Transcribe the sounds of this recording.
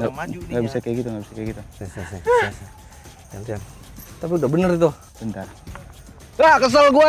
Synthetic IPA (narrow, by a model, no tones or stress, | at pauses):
ŋɡaŋɡaʔbisakajikit̪uŋɡabisakajkit̪u | t̪ant̪iant̪apiudabənərt̪uh | bənt̪ar | lakəs̬alɡua